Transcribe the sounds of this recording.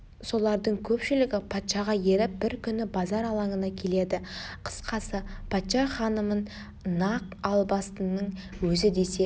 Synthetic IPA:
so̞lˠɑɾd̪əɴkʲʰɵpʃɪlɪɡʲɪpʰɑt̪ʃɑʁɑje̞ɾɪp̚bɪɾkʲʰʏnɪbɑzɑɾɑlˠɑɴənɑkʲʰe̞le̞d̪ɪqʰə̥sqɑsəpʰɑt̪ʃɑχɑnəmən | nːɑqɑlˠbɑst̪ənːəɴwɵzɪd̪e̞se̞

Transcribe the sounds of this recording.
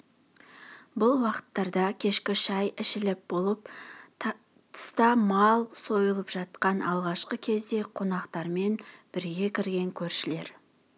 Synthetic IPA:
bʊlˠwɑqə̥t̪ːɑɾd̪ɑkʲʰe̞ʃkʲɪʃɑjɪʃɪlɪp̚bo̞lˠəp | t̪ʰə̥st̪ɑmɑlˠso̞jəlˠəpʒ̥ɑt̪qɑnʔɑlˠʁɑʃqəkʲʰe̞zd̪e̞qʰo̞nɑqt̪ɑɾme̞nb̥ɪɾɡʲe̞kʲʰɪɾɡʲe̞ŋkʲʰɵɾʃɪle̞̰ɾ

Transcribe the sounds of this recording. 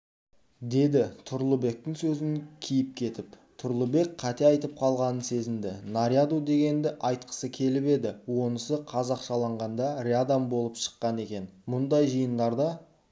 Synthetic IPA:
d̪e̞d̪ɪt̪ʰʊɾlˠəbe̞k̚t̪ɪŋsɵzɪŋkʲʰijɪp̚kʲʰe̞t̪ɪp | t̪ʰʊɾlˠəbe̞k̚qʰɑt̪e̞ɑjt̪əp̚qʰɑlˠʁɑnənse̞zɪnd̪ɪnaɾjad̪ud̪e̞ɡʲe̞nd̪ɪʔɑjt̪̚qə̥səkʲʰe̞lɪpe̞d̪ɪwo̞nəsəqʰɑzɑqʃɑlˠɑɴʁɑnd̪ɑɾʲead̪ambo̞lˠəpʃə̥qːɑne̞kʲe̞nmʊnd̪ɑjʒəjənd̪ɑɾd̪ɑ

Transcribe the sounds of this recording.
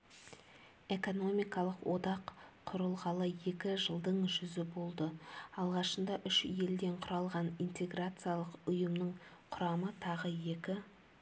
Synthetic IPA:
e̞ko̞no̞mijkɑlˠəqwo̞d̪ɑqʰːʊɾəlˠʁɑlˠəje̞kʲɪʒəlˠd̪əɴʒʏzɪbo̞lˠd̪əɑlˠʁɑʃənd̪ɑʔʏʃje̞ld̪e̞ɴqʰʊɾɑlˠʁɑnint̪e̞ɡrat̪sɨjalˠəqʊjəmnəɴ | qʰʊɾɑmət̪ʰɑʁəje̞kʲɪ

